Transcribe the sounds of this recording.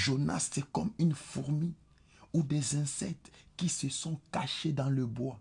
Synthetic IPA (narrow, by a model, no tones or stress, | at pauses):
ʒona̰sɛkɔmynfuʁmi | ud̪ɛzɛ̃sɛk̚t̪kisəsɔ̃kaʃed̪ɑ̃ləbwa